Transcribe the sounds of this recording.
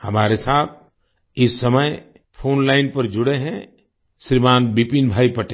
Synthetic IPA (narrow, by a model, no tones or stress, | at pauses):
hɐmaːɾesaːt̪̚ʰ | ɪsːɐməj | pʰoːnlaːɪnpɐɾd͡ʒʊɽeɦɛ̃ | ʃɾimaːnbipinbʱaːipɐʈe